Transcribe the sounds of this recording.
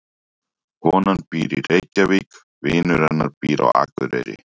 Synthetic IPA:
hɔːnanpiːɾirejcːavik | vɪːnʏɾanːaɾpiːɾa̰wa̰kvʏɾɛɾɪ̰

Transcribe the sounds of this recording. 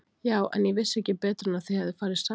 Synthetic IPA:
jaːwʔɛ̰njɛɣvɪsːɛhcɪpɛːt̪ɾʏnaθɪjhaðɪfaːɾɪðsa

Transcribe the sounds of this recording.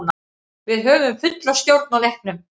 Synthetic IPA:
na | vɪðɦœːvʏmfʏt̪last̪jowɾt̪̚nalejhk̚nʏm

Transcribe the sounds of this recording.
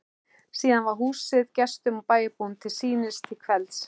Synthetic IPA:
siːðanvaɾ̥ɦuːsɪðcɛst̪ʏmɔwpaːjɪpuwnt̪ʰɪlsiːnɪst̪ʰɪlkʰvɛlt̪s

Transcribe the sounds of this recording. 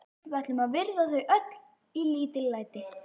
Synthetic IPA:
vɛht̪lʏmaðvɪɾðaθœɥʔœt̪l̥ | iliːt̪ɪlːaːjt̪ɪ

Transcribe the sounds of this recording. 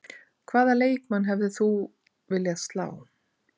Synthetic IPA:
kʰv̥aːðaleːjkmanɦɛvðɪθu | vɪljast̪la̰ːw

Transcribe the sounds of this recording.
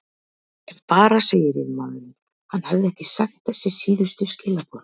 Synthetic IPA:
ɛvpaːɾaseːjɪɾḭðmanːʏn | hanːhavðɪɛhcɪsakt̪θɛsːɪsiːðʏst̪ʏscɪːlapɔɾ

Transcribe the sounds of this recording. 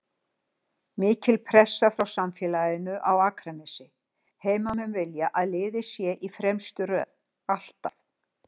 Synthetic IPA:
mɪːcɪlpʰɾɛsːafɾawsamfjɛlajɪnʏʔawaːkʰɾanɛsɪ | heːjmamʏnvɪljaʔaðlɪːðɪsjɛʔifɾɛmst̪ʏɾœ̰ːð | al̥t̪aθ

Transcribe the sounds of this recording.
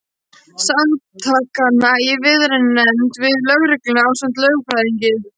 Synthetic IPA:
samt̪ʰakanaivɪðɾɛnnɛmt̪vɪðlœɣɾɪklɪnawsœmt̪lœːɥɣfʰɾajðiɲcɪ

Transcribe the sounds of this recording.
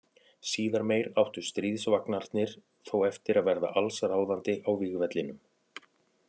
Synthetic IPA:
siːðaɾmeːjɾawht̪ʏst̪ɾiːðsvaknaɾ̥t̪nɪɾ̥ | θowɛft̪ɪɾaðvɛɾða̰ʔalsaɾaːwðant̪ɪʔawviːɣvɛt̪lɪnʏm

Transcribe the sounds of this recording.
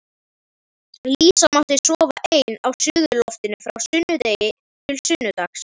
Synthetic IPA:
liːsamawht̪ɪsɔːva̰ʔeːjnawsʏːɣʏlɔft̪ɪnʏfɾawsʏnːʏt̪eːjɪ | t̪ʰɪlsʏnːʏt̪axs

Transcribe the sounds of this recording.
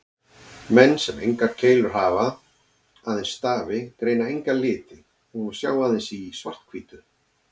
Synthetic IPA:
mɛnːsɛmejŋkaɾ̥cʰeːjlʏɾ̥ɦaːva | aːðɛnst̪aːvɪkɾeːjnaejŋkalɪːt̪ɪ | ɔsja̰ːwaːðɪnsisva̰r̥t̪̚kʰviːt̪ʏ

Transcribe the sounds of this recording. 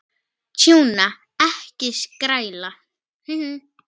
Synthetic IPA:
t͡ʃʰjũnã | æhkeʃkɾajla | h̩h̩

